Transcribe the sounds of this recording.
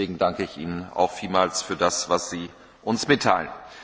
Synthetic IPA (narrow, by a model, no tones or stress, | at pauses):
eːɡŋ̩daŋkəɪçʔḭːnəna̰ʊxfiːlmaːlsfyːɐdasv̥asz̥iː | ʔʊnsmɪtʰːaɪlən